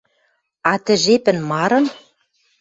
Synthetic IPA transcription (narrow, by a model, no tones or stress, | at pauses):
ɑt̪ɘ̆ʒepɘ̆nmɑɾɤ̆n